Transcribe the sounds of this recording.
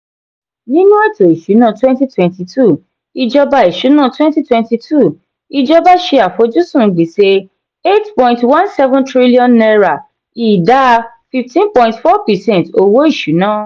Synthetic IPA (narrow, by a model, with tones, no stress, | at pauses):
nĩ˦nũ˦ɛ˦˨to˨i˨ʃu˨˦nã˦˨twɛ̃˦nti˦twɛ̃˨nti˧tʰu˦˨ | i˧d͡ʒɔ˧ba˧i˨ʃu˨˦nã˦˨twɛ̃˦nti˦twɛ̃˧nti˧tʰu˦˨ | i˧d͡ʒɔ˦ba˦ʃi˦a˨fo˨˧˦d͡ʒu˦sũ˦˨ɡ͡bi˨˦se˧˦ | e˦tpɔ̃˧˨ĩntwã˦nsɛ˦vɔ̃˦tɾi˦li˦ɔ̃˦nːɛ˧ɾa˨ | i˨da˦˧ | fi˧ftĩ˦npɔ̃˧ĩntfɔ˦pɛ˨sɛ̃˦nto˧wo˦i˦˨ʃu˨˦nãː˦˨